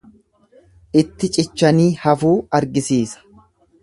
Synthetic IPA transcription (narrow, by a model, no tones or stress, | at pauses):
ʔɪt̪ːɪt͡ʃʼɪt͡ʃːɐniːhɐfuːɐɾɡɪsiːsɐ̥